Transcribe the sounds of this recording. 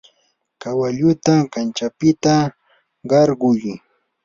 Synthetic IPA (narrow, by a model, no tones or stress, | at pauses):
kawaʎʊt̪akant͡ʃapɪt̪a | ɢɑɾɢʊj